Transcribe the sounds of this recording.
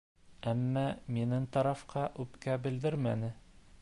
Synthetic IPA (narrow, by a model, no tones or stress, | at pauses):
æmːæminɘŋt̪ɑɾɑfqɑʔʉpkæbɘ̆ld̪ɘɾmænɘ